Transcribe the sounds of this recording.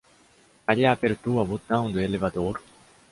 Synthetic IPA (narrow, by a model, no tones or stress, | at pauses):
aʎaapeɾt̪uɐβot̪ãw̃nd̪oelevad̪oɾ